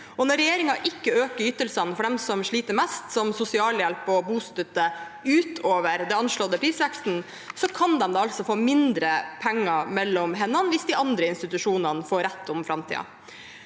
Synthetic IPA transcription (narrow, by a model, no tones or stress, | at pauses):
ɔnɔɾːɛjeːɾɪŋɑʔɪkːəøːkəɾʏt̪ːəlsənfɔɖɛmsɔmʂɭiːt̪əɾmɛst̪sɔmsʊsɪɑːljɛlpɔbuːst̪ʉt̪ːə | ʉːt̪ʰoːʋəɾd̪ɛɑnʂɭɔd̪ːəpʰɾiːsʋɛkst̪n̩ | sɔkʰɑnd̪ɛmd̪ɑːɑlsɔfoːmɪnd̪ɾəpʰɛŋːɑmɛlːɔmɦɛnːɑnʋɪsd̪ɪɑnd̪ɾəɪnst̪ɪt̪ʉʂuːnɑnəfoːɾɛt̪ːʊmfɾɑmt̪ʰḭːɑ̰